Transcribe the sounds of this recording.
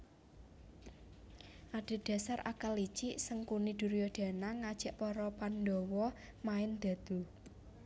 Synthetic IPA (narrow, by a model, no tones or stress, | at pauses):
ʔaɖ̥e̤ɖ̪̥a̤sarʔa̰kəlit͡ʃiʔsəŋkunid̪̥ṳɾijɔd̪̥a̤naŋad̥ʒ̥a̤ʔpɔɾɔpandɔwɔ | maɪnd̪̥ä̤d̪̥ṳ